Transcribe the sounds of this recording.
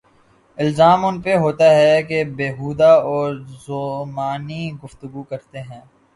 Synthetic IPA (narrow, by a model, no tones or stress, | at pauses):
ɪlzaːmʊnpeɦoːt̪aɦɛkebeːɦuːd̪aɔːɾzomaːniɡʊft̪ʊɡukɐɾt̪eɦɛ̃ː